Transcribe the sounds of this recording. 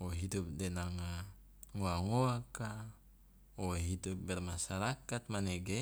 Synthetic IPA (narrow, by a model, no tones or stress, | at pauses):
oɦidup̚dɛnaŋa | ŋoaŋoaka | oɦidup̚bɛrmasaɾakat̪̚manɛɡɛ